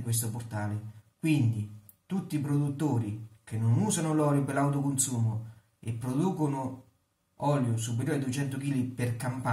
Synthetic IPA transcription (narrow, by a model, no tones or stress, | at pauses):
kwes̬t̪ʊpʊrt̪aːlɪkwind̪i | t̪ut̪ːip̬ɾod̪ut̪ːoːɾik̟enːʊnuːsanʊlɔljʊpelawt̪̬ʊkʊnsuːmʊ | ḛpːɾod̪uːkʊnʊ | ɔːljʊs̬up̬eɾjoːɾid̪uet͡ʃɛnt̪ʊkiːlipɪrkampa